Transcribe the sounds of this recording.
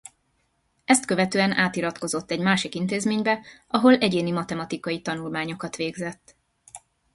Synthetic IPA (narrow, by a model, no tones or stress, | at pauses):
ɛst̪køvɛt̪øːɛnaːt̪iɾɒt̪ko̞zo̞t̪ːɛɟmaːʃikint̪eːzmeːɲbɛʔɒɦo̞lʔɛɟeːnimɒt̪ɛmɒt̪ikɒjit̪ɒnulmaːɲo̞kɒt̪ʋeːɡzɛt̪ː